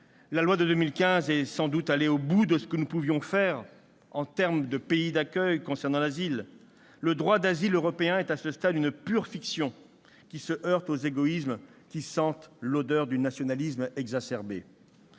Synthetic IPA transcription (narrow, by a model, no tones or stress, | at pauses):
lalwad̪əd̪ømilkʲɛ̃zɛsɑ̃d̪ut̪aleobud̪əsə̥kənupuvjɔ̃fɛʁ | ɑ̃t̪ɛʁmd̪əpeid̪akʲœjkɔ̃sɛʁnɑ̃lazilː | əd̪ʁwad̪aziløʁɔpeɛ̃ɛt̪asəst̪ad̪ynpyʁfiksjɔ̃ | kʲisəʔœʁt̪ozeɡɔismkʲisɑ̃t̪lod̪œʁd̪ynasjɔnalismɛɡzasɛʁbe